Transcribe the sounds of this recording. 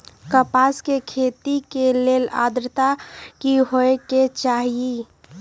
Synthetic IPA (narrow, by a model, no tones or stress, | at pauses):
kəpaːskekʰet̪ikeleːla̰ːd̪ɾt̪akiɦoeket͡ʃaːɦie